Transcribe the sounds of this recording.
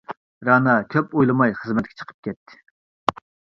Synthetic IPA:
ɾɑnɑkʲʰøpojlˠɨmɑjχəzmɛt̪̚kʲɛ̥t͡ʃʰə̥qʰə̥p̚kʲɛt̪ʰːɪ̥

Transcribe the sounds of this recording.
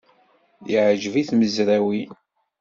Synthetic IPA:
jiʕʒviθməzɾæwi

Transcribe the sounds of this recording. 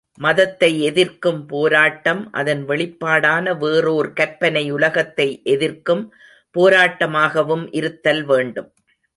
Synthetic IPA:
mɐðɐt̪ːɐɪɛðɪɾkɯmpoːɾaːʈːɐmʔɐ̰ðɐnʋɛɭɪpːaːɽaːnɐʋeːroːɾkɐɾpɐnɐɪʊlɐɣɐt̪ːɐɪʔɛðɪrkɯm | poːɾaːʈːɐmaːɣɐʋɯmʔɪɾɯt̪ːɐlʋeːɳɖɯm

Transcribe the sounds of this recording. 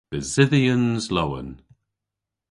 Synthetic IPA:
əzɪðiə̃nzlowə̰n

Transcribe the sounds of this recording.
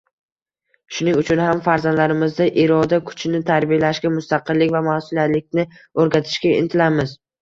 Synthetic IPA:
ʃʊnɪŋʊt͡ʃʰʊnhamfaɾzand̪laɾɪmɪzd̪aʔeɾɒd̪akʰʊ̥t͡ʃʰnɪt̪ʰaɾbilaʃkʲamʊst̪aqɨlːɪkʲvamasɪljat̪lɪk̚ʲnɪoɾɡʲat̪ʰɪ̥ʃkʲaɪ̰nt̪ʰɪlamɪz

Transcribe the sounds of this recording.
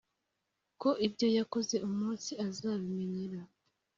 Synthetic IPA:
ko̞ʔibɟo̞jako̞ze̞ʔumuːnsiazaβimeneɾa

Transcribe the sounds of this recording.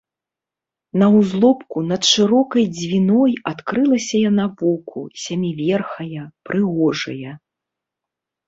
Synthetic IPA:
nɐwzlˠɔpkunɐt̪ʂɨɾɔkɐjd͡zʲvʲinɔjat̪kɾɨlˠɐsʲɐjanavɔkʰṵsʲamʲivʲɛrxɐjɐpɾʔɨɣɔʐɐjɐ

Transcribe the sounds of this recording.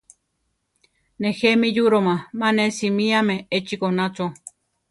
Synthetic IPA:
nexemijuɾomãmanesimiameet͡ʃikonat͡so

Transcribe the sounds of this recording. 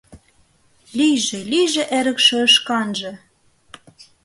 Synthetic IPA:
lijʒĕlijʒĕʔeɾə̆kʃĕɤ̆ʃkɑnʒɤ̆

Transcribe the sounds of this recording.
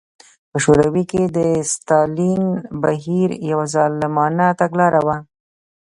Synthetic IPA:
pəʃoɾawiked̪əst̪ɑlinbaɦiɾjawazɑlɪmɑnat̪aɡlɑɾawa

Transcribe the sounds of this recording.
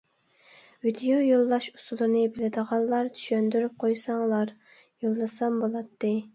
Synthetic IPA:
vid̪ijojolˠːɑʃu̥sulˠɨɾnɨbelɪd̪əʁɑnlˠɑɾt̪ʰy̥ʃønd̪yɾyp̚qʰojsɑŋlˠɑɾ | jolˠːɨsɑmbolˠɑt̪ːɨ

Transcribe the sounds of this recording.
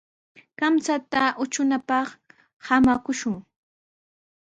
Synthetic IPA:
kamsat̪aʔʊt͡ʃʊnapɑχ | hamakʊʃʊŋ

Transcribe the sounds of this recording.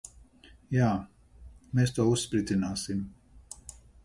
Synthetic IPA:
jaː | meːst̪uɔusːpɾit̪zinaːsim

